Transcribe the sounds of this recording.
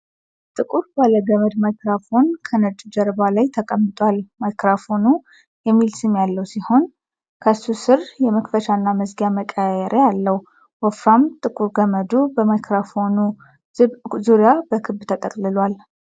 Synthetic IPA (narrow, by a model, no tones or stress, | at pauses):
t̪ʼɨkʼuɾbaləɡəməd̪majkɾafo̞nkʰənət͡ʃʼd͡ʒɛɾβalajt̪ʰəkʼəmːɨt̪ʼwalmajkɾafo̞nu | jɛmːilsɨmjalːəwsiho̞n | kʰəsusɨɾjɛməkfəʃanːaməzɡjaməkʼəjɛɾʔealːəw | wɔfɾamt̪ʼɨkʼuɾɡəməd̪ubəmajkɾafonu | zuɾjabəkʰɨbːt̪ʰət̪ʼəkʼlɨlwal